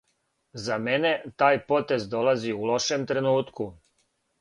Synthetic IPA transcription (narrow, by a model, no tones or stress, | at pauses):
zamene̞t̪aːjpo̞t̪e̞zd̪o̞laziulo̞ʃemt̪ɾe̞nuːt̪ku